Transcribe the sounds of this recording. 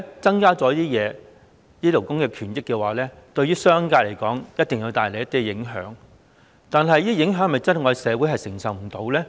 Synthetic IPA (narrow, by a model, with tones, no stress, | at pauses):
t͡sɐ˥ŋkaː˥t͡sɔː˨˥jt̪i˥jɛː˨˧ | liː˥lo˨˩wkʊ˥ŋkɛː˧kʰyː˨˩njɪ˥kːɛː˧waː˨lɛː˥t̪ɵ˧ɥyː˥sœː˥ŋkaː˧t̚le˨˩jkɔː˨˥ŋjɐ˥t̚t̪ɪ˨ŋji˧wt̪aː˨jle˨jɐ˥t̪i˥ɛ˧ɪ˨˥ŋɦœ̰ː˨˥ŋ | t̪aː˨nɦɐ˨˧jiː˥jɪ˨˥ŋɦœː˨˥ŋ˨˩mɐ˨jt͡sɐ˥n˨˩ŋɔː˧sɛː˨˧wu˨˥ɦɐ˨jsɪ˨˩ŋsɐ˨wm̩˨˩t̪o˨˧wlɛː˥